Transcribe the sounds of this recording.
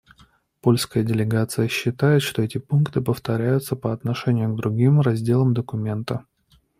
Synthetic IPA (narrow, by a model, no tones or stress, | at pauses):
po̞lʲskəjədʲɪlʲɪɡat̪sɨjəɕːɪt̪ajɪt̪ʂt̪oɛtʲɪpunkt̪ɨpəft̪ɐɾʲæjʊt̪səpəɐt̪nɐʂɛnʲɪjʊɡd̪ɾʊɡʲimrɐzʲdʲe̞lˠəmd̪əkʊmʲe̞nt̪ə